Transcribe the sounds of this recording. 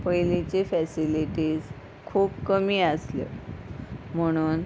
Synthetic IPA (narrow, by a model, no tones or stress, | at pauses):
pəjlit͡ɕefæsiliʈiːd͡z | kʰuːpkəmiːəslḛ | m̤əɽ̃uːn